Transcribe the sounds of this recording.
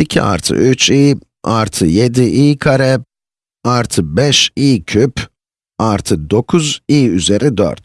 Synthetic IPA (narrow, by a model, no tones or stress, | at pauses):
icʰḭa̰ɾt̪ʰɯ̰ʔyt͡ʃʰiː | aɾt̪ʰɯje̞d̪iʔiːkʰaɾɛ | aɾt̪ʰɯbɛʃiːcʰyp | aɾt̪ʰɯd̪o̞kʰuziːyze̞ɾid̪ø̰ɾt̪